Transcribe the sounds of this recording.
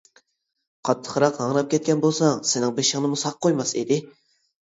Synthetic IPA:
qʰɑt̪ʰːə̥χɾɑqɑŋɾɑp̚kʲʰɛt̪̚kʲʰɛnbolˠsɑŋsɪnɪŋbeʃɪŋnɨmusɑqqʰːojmɑsḭd̪ɪ

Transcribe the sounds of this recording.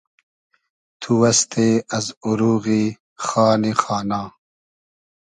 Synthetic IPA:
t̪ʰuwɐst̪eːɐzuɾuːɣi | xaːnixaːnaː

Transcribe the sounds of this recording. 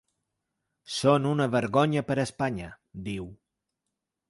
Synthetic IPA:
sonunəβəɾɣoɲəpəɾəspaɲə | d̪iw

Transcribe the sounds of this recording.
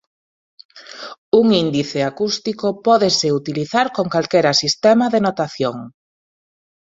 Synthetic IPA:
uŋind̪iθeakust̪ikopɔðeseut̪iliθaɾkoŋkalkɛɾɐsist̪ɛmɐðenot̪aθjoŋ

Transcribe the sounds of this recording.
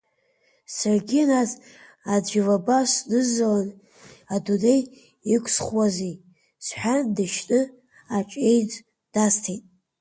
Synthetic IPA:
sarɡʲianaz | ad͡ʒʷᶣivabasʷdɨzːalan | adudej | ikʷʰʼsχwazi | sħʷᶣandɨʃnʼɨ | at͡ʃʼe̞jd͡zʼ | d̥astʰejtʼ

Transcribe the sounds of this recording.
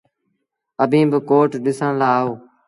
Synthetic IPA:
əbʱĩːbəkoːʈɗɪsə̃ːlaːoː

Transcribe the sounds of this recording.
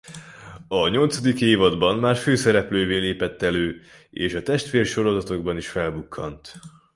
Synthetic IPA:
ɒɲo̞lt̪sɒd̪ikeːvɒd̪bɒnmaːrføːsɛɾɛpløːveːleːpɛt̪ːɛløː | eːʃɒt̪ɛʃt̪ʋeːrʃo̞ɾo̞zɒt̪o̞ɡbɒniʃfɛlbukʰːɒnt̪

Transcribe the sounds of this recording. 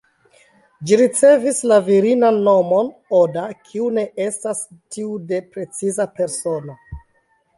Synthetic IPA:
d͡ʒiɾit͡se̞vislaviɾinanːo̞mo̞nodakʰiune̞ʔe̞stastiude̞pɾe̞t͡sizape̞ɾso̞no̞

